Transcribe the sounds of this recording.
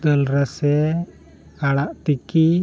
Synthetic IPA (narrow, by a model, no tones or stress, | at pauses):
d̪əlɾasɛ | kaɽaʔt̪iki